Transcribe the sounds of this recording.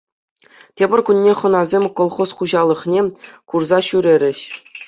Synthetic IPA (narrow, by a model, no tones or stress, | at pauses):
tʲebʲɘ̆rʲkunʲːeχɤ̆nɑzʲemʲkolˠχosχuʑɑlˠɤ̆χnʲekurzɑɕyɾʲeɾʲɘ̆ɕ